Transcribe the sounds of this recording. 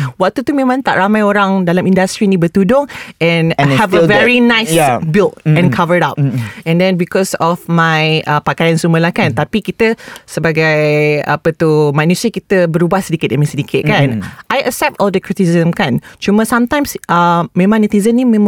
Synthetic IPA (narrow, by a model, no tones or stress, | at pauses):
wak̚t̪ut̪umẽmãŋt̪a̰ʔɾamajoɾaŋdalamĩndast̪ɾinĩbət̪udʊŋɛ̃nhɛvəvɛɹinãjsbilt̚ɛ̃nkʰavəɹdap̚ɛ̃ndɛ̃nbikɔsɔfmajʔəpakajansuməlahkant̪apikit̪əsəbaɡaja̰pət̪umãnusɾikit̪əbəɾubahsədikɪt̪̚ʔamãsədikʰɪt̪̚kanajʔəksɛp̚tɔldəkɹit̪iszəmkant͡ʃuməsãmt̪ãjmsʔəmẽmãŋnit̪izənimẽm